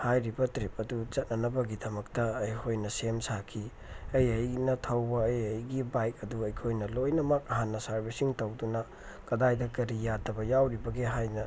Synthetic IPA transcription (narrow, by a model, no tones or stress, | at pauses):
hajɾibɐtɾip̚ɐdut͡ʃɐt̚nɐnɐbɐɡidɐmɐk̚tɐːjkʰojnɐsemsakʰi | ɐjɐjnɐtʰɐwbɐːjɐjɡibajk̚ɐduɐjkʰojnɐlojnɐmɐk̚ɐɦanːɐsɐɾbisiŋtɐwdunɐ | kɐdajdɐkɐɾijadɐbɐjawɾibɐɡiɦajnɐ